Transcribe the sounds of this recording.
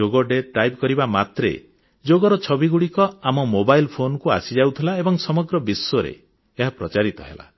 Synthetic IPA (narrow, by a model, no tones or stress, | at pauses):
oɡɔɖeʈajbkɔɾibamat̪ɾḛ | d͡ʒoɡɔɾɔt͡ʃʰɔbiɡuɽikɔamɔmobajlpʰonɔkua̰sid͡ʒawt̪ʰilaebɔŋsɔmɔɡɾɔbisːoɾḛː | ɦapɾɔt͡ʃaɾit̪ɔɦḛla̰